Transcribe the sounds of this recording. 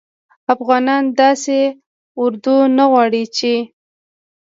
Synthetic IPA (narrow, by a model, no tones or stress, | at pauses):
afɣɑnɑnd̪ɑse | ʊɾd̪unaɣwɑɽit͡ʃe